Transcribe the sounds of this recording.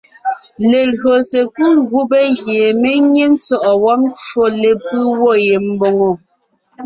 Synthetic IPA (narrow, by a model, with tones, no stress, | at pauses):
le˨lɰo˨se˨ku˦ɡu˦be˦ɣje˨me˦ɲe˦n̩˦t͡sɔ˦ʔɔ˨wɔ˦p̚t͡ʃwo˦le˨pɯ˦wɔ˦˨je˨m̩˦bo˨ŋo˨